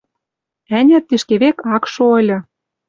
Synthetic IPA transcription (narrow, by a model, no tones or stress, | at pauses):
ænʲæt̪ːiʃkeβekɑkʃoɤ̆lʲɤ̆